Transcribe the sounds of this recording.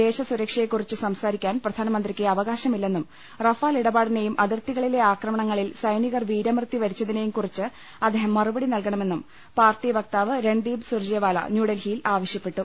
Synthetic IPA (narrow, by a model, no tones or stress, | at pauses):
d̪e̞ːɕɐsuɾɐkʂɐjekːurit͡ɕːɨsɐmsaːɾikʲːaːnprɐd̪ʱaːnɐmɐnd̪rikʲːɨɐʋɐɣaːɕɐmilːe̞nːum | rɐfaːliɽɐbaːɽine̞jumʔɐðirt̪iɣɐɭile̞aːkrɐmɐɳɐŋːɐɭilsɐjniɣɐrʋiːɾɐmrɨt̪ːiʋɐɾit͡ɕːɐðine̞jumkurit͡ɕːɨ | ɐd̪ːeːɦɐmːɐrubɐɽinɐlkɐɳɐme̞nːum | paːrʈːiʋɐk̚t̪aːʋɨɾe̞ɳɖiːbsurd͡ʑeːʋaːlɐ̰njuːɽelhijlaːʋɐɕjɐpːe̞ʈːu